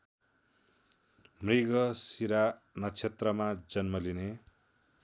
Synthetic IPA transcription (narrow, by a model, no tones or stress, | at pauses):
mriɡʌsiɾa | nʌt͡sʰet̪rʌmad͡zʌnmʌline